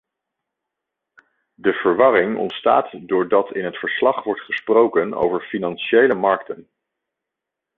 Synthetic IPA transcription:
dəv̥əɹʋɑɾɪŋɔ̰ntsta̰ːtdʊːɹdɑtʰɪnɦətfəɹslɑχʋɔɹtχəsprowkəno̰wvəɹfinɑnʃejləmɑɹktən

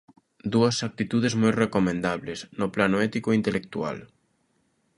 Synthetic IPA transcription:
d̪uɐsak̚t̪it̪uð̞ezmojrekomẽnd̪aβleznoplanoɛt̪ikoint̪elʔek̚t̪ua̰l

